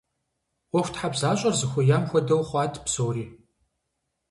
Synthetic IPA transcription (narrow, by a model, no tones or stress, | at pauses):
wɔxʷtʰħabzaːɕʼɐrzɨxʷʊjaːmxʷɔdɐwχʷɑːtʰʼpsowriː